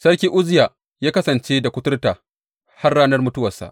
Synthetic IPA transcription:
sɐ˦rkʲiː˦ʔʊ˦zɪ˦jaː˨ | jaː˦kɐ˦sɐ˨nt͡ʃeː˦da˨kʷʊ˦tʊ˦rtaː˨ | ha˦rːaː˦nɐ˦rmʊ˦tʊ˦wɐ˨sa̰˨ʔ

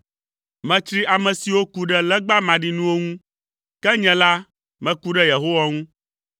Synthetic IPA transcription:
mɛ̃˨t͡ʃɾi˦ʔa˨mɛ̃˨si˨wo˦ku˦ɖɛ˦lɛ˦ɡ͡ba˦mã˨ɖi˦nũ˦wo˦ŋũ˦ | kɛ˦ɲɛ̃˨la˦ | mɛ̃˨ku˦ɖɛ˦je˨ɦo˦wa˦ŋũ˦

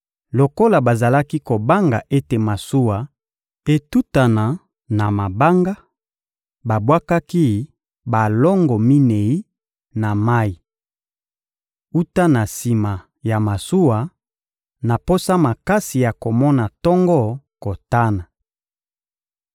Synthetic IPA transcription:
lo˨ko˦la˨ba˨za˨la˦ki˦ko˨ba˦ŋɡa˨ʔe˦te˨ma˨su˦wa˨ | e˨tu˦ta˨na˨ | na˨ma˨ba˦ŋɡa˦ | ba˨bwa˦ka˦ki˦ | ba˨lɔ˦ŋɡɔ˨mi˦ne˨i˦ | na˨ma˦i˨ | u˦ta˦na˨si˨ma˨ | ja˨ma˨su˦wa˨ | na˨po˦sa˦ma˨ka˦si˨ja˨ko˨mɔ˦na˨tɔ˦ŋɡɔ˦ | ko˨ta˦na˨

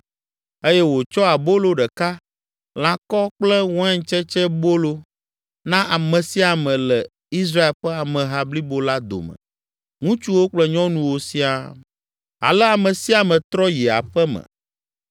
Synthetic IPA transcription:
e˦jɛ˦wo˨t͡ʃɔ˦a˨bo˦lo˦ɖɛ˨ka˦ | l̃ã˦kɔ˦k͡plɛ˦wɔ̃˦ɛ˦ŋ˦t͡ʃɛ˦t͡ʃɛ˦bo˦lo˦ | nã˦ʔa˨mɛ̃˨si˦a˨mɛ̃˨lɛ˨ | i˦s̬ɾa˦e˨lɸɛ˦a˨mɛ̃˨ɦa˦bli˦bo˦la˦d̪o̰˨mə̰̃˨ | ŋũ˦t͡ʃu˦wo˦k͡plɛ˦ɲɔ̃˦nũ˦wo˨si˦a˦ | a̰˨lɛ˦a˨mɛ̃˨si˦a˨mɛ̃˨t̪ɾɔ˦ji˨a̰˨ɸɛ˦mɛ̰̃˨

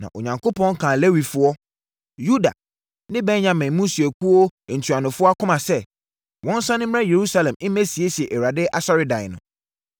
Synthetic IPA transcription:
nã̰˨ʔo̰˨ɲã˨ŋkʰo˦pʰɔ̃˦ŋ̩˦kʰã˨le˦wi˨fʊ˦ɔ˦ | ju˦da̰˨ | nɪ̃˦bɛ˦ɲã˨mɛ̃˨mũ˦su˨ɛ˨kʰu˦o˦˨n̩˨tʰu˨a˨nʊ̃˨fʊ˦ɔ˦a˦kʰʊ̃˦mã˨sɛ˦˨ | wɔ̃˦n˦sa˦nɪ̃˦m̃˦ã˦je˨ɾu˦sa˦lɛ̃˨mɪ̃˦mɛ̃˦si˨e˦ɕi˨ɛ˨ʔwɾa˨dɪ˦ʔa˨sɔ˦ɾɪ˦dã˨nʊ̰̃˨

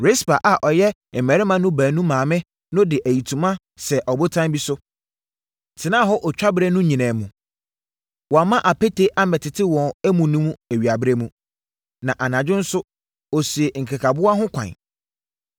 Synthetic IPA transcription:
ɾɪ˦spa˨ʔa˨ʔɔ˨jɛ˦˨ | mɛ˨ɾɪ˦mã˦nʊ̃˦bæː˨nũ˦mãː˨mɪ̃˦ | nʊ̃˦dɪ˨ʔæ˨ji˨tʰũ˨mã˦ | sɛ˨ʔɔ˨bʊ˦tʰã˦bi˦sʊ˦ | tʰɪ˨nãː˦˨ɦɔ˦ʔɔ˨t͡ɕᶣa˦bɪ˦ɾe˦nʊ̃˦ɲĩ˨nãː˨mũ˨ | wɔ˨a˨mã˦ʔa˨pʰe˦tʰe˦ʔa˦mɛ˨tʰɪ˨tʰɪ˦wɔ̃˨næ˦mũ˨nũ˦mũ˦æ˨ɥi˨a˨bɪ˦ɾe˦mũ˦ | nã˨ʔa˨nã˨d͡ʑᶣɪ˦n̩˦sʊ˦ | ɔ˨si˨e˨ŋ̩˨kʰa˨kʰa˨bʊ˦a˦ɦʊ̃˦kʷʰã̰˨n

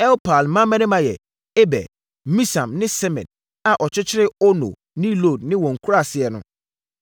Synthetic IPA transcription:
ɛ˦wpʰa˨lmã˦mɛ̃˦nɪ̃˦mã˨jɛ˨ | e˦bɛ̰˨ | mĩ˦sã˨mnɪ̃˦sɛ˦mɛ̰̃˨n | a˨ʔɔ˨t͡ɕʰɪ˦t͡ɕʰɪ˦ɾɪ˦ɔ˦no̰˨ | nɪ̃˦lo˦˨d̚nɪ̃˦wɔ̃˨ŋ̩˨kʰu˦ɾa˦˨sɪ˨ɛ˨nʊ̰̃˦

